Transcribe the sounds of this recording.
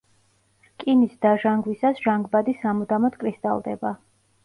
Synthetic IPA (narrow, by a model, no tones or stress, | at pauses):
kʼinisd̪aʒaŋɡwisasʒ̥aŋɡbad̪isamud̪amɔd̪kʼɾist̪ʼa̰lˠd̪ɛ̰ba